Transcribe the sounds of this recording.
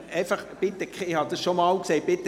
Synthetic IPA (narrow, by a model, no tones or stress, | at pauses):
ɛɪfɑχb̥ɪt̪ːəkʰχeɪhɑd̪ɑsʃomɑlkseɪt̚bɪt̪ə